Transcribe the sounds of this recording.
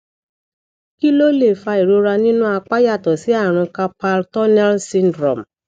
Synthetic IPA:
ki˦lo˦le˦˨fa˧i˨ɾo˨˧ɾa˧nĩ˦nũ˦a˧k͡pa˦ja˦˨tɔ˨si˨˦a˦˨ɾ̃ũ˧ka˧pa˧ltɔ˦nɛ˦lsĩ˦ndɾɔ̃˨m˨

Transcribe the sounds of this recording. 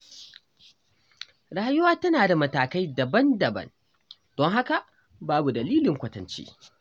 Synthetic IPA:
ɽaː˦jʊ˦waː˦tɐ˦naː˨da˨mɐ˨taː˨ka˦jdɐ˨bɐ˦ndɐ˨bɐ̰˦n | d̥ɔ˦ŋɦa˦ka˨ʔ | baː˦bu˨dɐ˨liː˦lɪ˨ŋkʷɐ˦tɐ̰˨nt͡ʃḛ˦

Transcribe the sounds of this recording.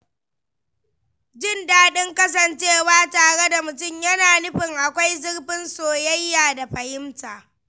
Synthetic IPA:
d͡ʒɪ˦˨ndaː˦ɗɪ˦ŋkɐ˦s̬ɐ˨nt͡ʃeː˦˨waː˦taː˨ɽe˦da˨mʊ˨tʊ˦˨mjɐ˦naː˨nʊ˦ɸɪ˨ŋʔa˨kʷa˦jzɪ˦ɽɸɪ˦nsoː˨jɐ˦jːaː˨da˨ɸɐ˨jɪ˦mtaː˨

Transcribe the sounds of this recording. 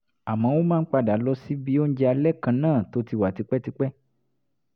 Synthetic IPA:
a˨mã˨˦wo˦mãː˦k͡pa˧da˨˦lɔ˧˦si˦bi˦o˦n̩˦d͡ʒɛ˧a˧lɛ˦kã˧nãː˦˨to˨˦ti˧˨wa˨ti˧˦k͡pɛ˦ti˧k͡pɛ˦

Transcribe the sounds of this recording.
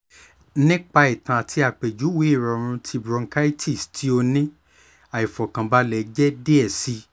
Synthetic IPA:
nĩ˦k͡pa˧i˨tã˨a˨tʰi˧˦a˨k͡pe˨d͡ʒu˨˦wi˨˦i˦˨ɾɔ˨ɾ̃ũ˧tʰi˧bɾɔ̃˧ŋ˦ka˦i˦tʰi˦˨stʰi˦o˧nĩ˦ | a˨i˨fɔ˨kã˨ba˧lɛ˨˦d͡ʒɛ˦de˦ɛ˦˨si˨˦

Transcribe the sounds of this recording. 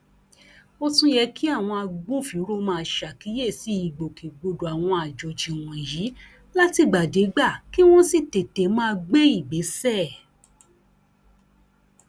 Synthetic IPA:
o˧tũ˦jɛ˧ki˦a˦˨w̃ɔ̃˧a˧ɡ͡bũ˦fi˨˦ɾo˦mãː˦˧ʃa˨ki˨˦je˦˨si˨˦i˨ɡ͡bo˨ki˨ɡ͡bo˧do˨a˨w̃ɔ̃˧a˨d͡ʒo˨d͡ʒi˨w̃ɔ̃˨i˨ji˨˦ | la˦ti˧ɡ͡ba˨de˨˦ɡ͡ba˦˨ki˦w̃ɔ̃˦si˦˨te˨te˨˦mãː˦˧ɡ͡be˦i˦˨ɡ͡be˨˦sɛ˦˨

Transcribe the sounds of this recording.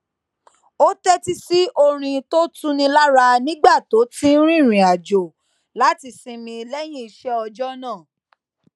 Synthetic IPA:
o˦tɛ˦ti˧si˦o˧ɾ̃ĩ˧to˦tũ˦nĩ˧la˦ɾa˧nĩ˦ɡ͡ba˦˨to˨˦tĩ˦ɾ̃ĩ˦˨ɾ̃ĩ˨a˨d͡ʒo˨ | la˨˦ti˧sĩ˧mĩ˧lɛ˦j̃ĩ˦i˧ʃɛ˦ɔ˧d͡ʒɔ˦nãː˦˨

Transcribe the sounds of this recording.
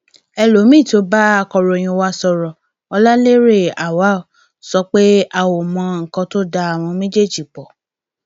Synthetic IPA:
ɛ˧lo˨˦mĩ˦˨to˨˦ba˦a˦kɔ˧ɾo˨j̃ĩ˧wa˦sɔ˧ɾɔ˨ | ɔ˧la˦le˦ɾe˦˨a˨wa˨˦˨o˨ | sɔ˧˦k͡pe˦a˨wo˨mɔ̃˧˦ŋ̩˨kɔ̃˧to˦da˧a˨w̃ɔ̃˧mĩ˦d͡ʒe˦˨d͡ʒi˨k͡pɔ˨

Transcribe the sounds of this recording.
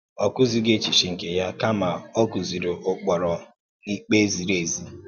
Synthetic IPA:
ɔ˨kʊ˦zi˦ɡe˦t͡ʃi˨ʃi˨ŋ̩˨ke˨ja˦ka˦ma˨o˦ku˨zi˨ɾo˨ʔʊ˦k͡pɔ˨ɾɔ˨ | ni˦k͡pe˦zi˨ɾe˨zi˦

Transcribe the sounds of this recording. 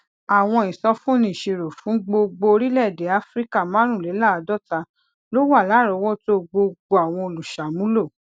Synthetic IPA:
a˨w̃ɔ̃˧ĩ˨sɔ˧fũ˦˨nĩ˦˨ʃe˧ɾo˨fũ˨˦ɡ͡bo˧ɡ͡bo˧ɾi˦lɛ˦˨de˨˦a˦fɾi˦ka˦˨mã˦ɾ̃ũ˦˨le˨˦la˦˨a˨˧dɔ˦˨ta˧ | lo˦wa˦˨la˨˦˨ɾɔ˧˦wɔ˦to˦o˧ɡ͡bo˧ɡ͡bo˧a˨w̃ɔ̃˧o˧lu˨ʃa˨mũ˨˦lo˦˨

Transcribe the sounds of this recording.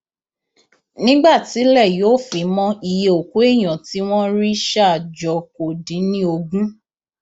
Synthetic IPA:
nĩ˦ɡ͡ba˦˨ti˨˦lɛ˦˨jo˦˨fi˨˦mɔ̃˧i˧je˧o˨ku˨˦e˦˨j̃ɔ̃˨ti˨˦w̃ɔ̃˦ɾi˦ʃa˦˨d͡ʒɔ˧ko˨dĩ˨˦nĩ˦o˧ɡũ˦

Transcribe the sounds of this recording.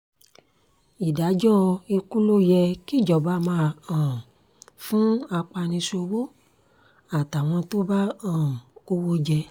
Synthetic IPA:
i˨da˨˦d͡ʒɔ̃˦e˧ku˦lo˦jɛ˧ki˦˨d͡ʒɔ˨ba˨˦mãː˧˨ã˨ | fũ˦a˧k͡pa˧nĩ˧so˧wo˦ | a˨ta˨w̃ɔ̃˧to˦ba˦ã˦˨ko˦wo˦d͡ʒɛ˧

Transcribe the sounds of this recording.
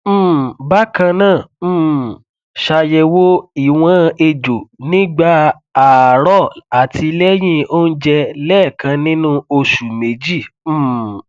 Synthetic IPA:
m̩˦˨ba˦kã˧nãː˦˨˦ | ʃa˧jɛ˧wo˦i˦˨w̃ɔ̃˦˧e˧d͡ʒo˨nĩ˦ɡ͡ba˦ | a˨ɾɔ˦˨a˨tʰi˧lɛ˦j̃ĩ˧o˦n̩˦d͡ʒɛ˧lɛ˦˨kã˧nĩ˦nũ˦o˧ʃu˨me˨˦d͡ʒi˦˨˦

